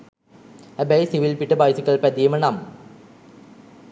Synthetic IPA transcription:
æbɐjsiʋilpiʈːəbajsikːɐɭpɛd̪ijmənam

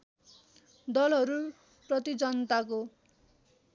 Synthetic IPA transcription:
d̪ʌlɦʌɾu | prʌt̪id͡zʌnʌt̪ako

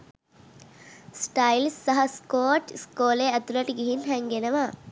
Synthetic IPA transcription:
sʈajlsːɐɦɐskoːʈskoːleæt̪ulɐʈəɡiɦinɦɛŋɡenəʋa

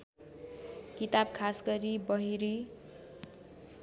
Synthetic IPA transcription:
kit̪abkʰasɡʌɾibʌɦiɾi

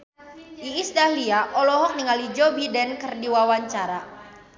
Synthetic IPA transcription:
ʔiisdahliaʔɔlɔɦɔk̚niŋalid͡ʒɔbidɛnkərdiwawaɲt͡ʃaɾa

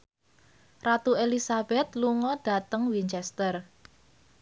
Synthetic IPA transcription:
rat̪uelisab̥ɛt̪̚luŋɔɖ̥a̤t̪əŋwiɲt͡ʃɛst̪ər

